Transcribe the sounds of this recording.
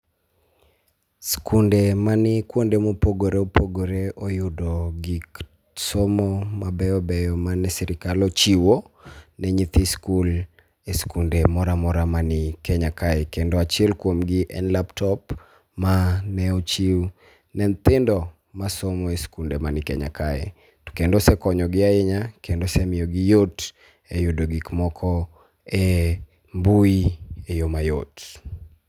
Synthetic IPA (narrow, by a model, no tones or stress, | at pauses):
skundemanɪkwondemopoɡoɾeopoɡoɾeɔjʊdɔɡik | somɔmabɛɔbɛjɔmanɛsɛɾɪkalɔt͡ʃiwo | nɛɲit̪ʰiskul | eskundemɔɾamɔɾamanɪkɛɲakaɛkendɔat͡ʃɛlkwomɡɪʔɛ̰nlaptʰɔp | manɛɔt͡ʃi | nɛnt̪ɪndɔ | masomɔeskundemanɪkɛ̰ɲa̰kaɛ̰ | tu̥kendɔsɛkɔɲɔɡɪaɛɲakɛndosɛmɪjɔɡɪjot | ejodoɡikmɔkʰɔ | ɛ | mbuiejomajot